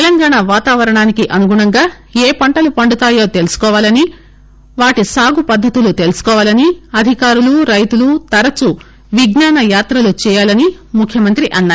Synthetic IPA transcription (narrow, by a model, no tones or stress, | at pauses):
t̪elɐŋɡaːɳaʋaːt̪aːʋɐɾɐɳaːnikiʔɐnuɡuɳɐŋɡaː | eːpɐɳʈɐlupɐɳɖut̪aːjo̞ːt̪e̞lusu̥kɔːʋaːlɐni | ʋaːʈisaːɡupɐd̪ʱːɐt̪ulut̪e̞lusu̥kɔːʋaːlɐniɐd̪ʱikaːɾuluɾɐjt̪ulut̪ɐɾɐt͡ʃu | ʋiɡnaːnɐjaːt̪ɾɐlut͡ʃɛːjaːlɐnimukʰjɐmɐnt̪ɾiʔɐnːaː